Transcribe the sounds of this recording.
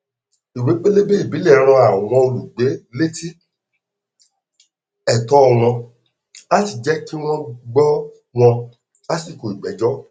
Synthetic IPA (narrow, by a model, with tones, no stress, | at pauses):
i˨ɾẽ˨˦k͡pe˦le˦be˦i˦˨bi˨˦lɛ˦˨˦ɾ̃ɔ̃˧a˨w̃ɔ̃˧o˧lu˨ɡ͡be˨˦le˦ti˦ | ɛ˦˨tɔ˦ɔ˧˨w̃ɔ̃˧ | a˦ti˨d͡ʒɛ˦ki˦w̃ɔ̃˦ɡ͡bɔ˦ | w̃ɔ̃˧ | a˦si˦˨ko˨i˨ɡ͡bɛ˨˦d͡ʒɔ˦